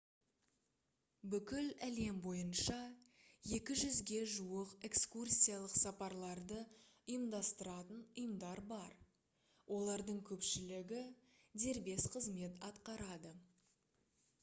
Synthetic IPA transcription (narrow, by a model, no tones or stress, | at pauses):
bʏkʲɪlæle̞mbo̞jənʃɑje̞kʲɪʒʏzɡʲe̞ʒuəqe̞kskursʲijalˠəqsɑpɑɾlˠɑɾd̪əʊjəmd̪ɑst̪əɾɑt̪ənʊjəmd̪ɑɾbɑɾ | wʔo̞lˠɑɾd̪əɴkʲʰɵpʃɪlɪɡʲɪ | d̪e̞ɾbe̞sqʰəzme̞t̪ɑt̪qɑɾɑd̪ə